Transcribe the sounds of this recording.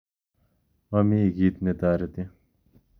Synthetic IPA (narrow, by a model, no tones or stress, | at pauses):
ɐmiɡiːt̪net̪aːɾet̪i